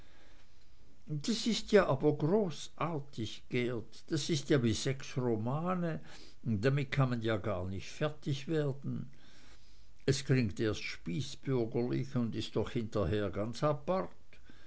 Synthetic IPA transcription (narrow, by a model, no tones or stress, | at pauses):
d̥asɪstjaːʔaːbɐɡʁoːs | ʔaːɐtʰɪçɡ̥ɛːɐtd̥asɪstjaːviːz̥ɛksʁomaːnə | d̥amɪt̚kʰanmanjaːɡaːɐnɪçtfɛɐtɪçv̥eːɐdn̩ | ɛskʰl̥ɪŋkteːɐstʃpiːsb̥ʏɐɡəlɪ̰çʊndɪst̚ːɔχhɪntɐɦeːɐɡant͡sapaʁt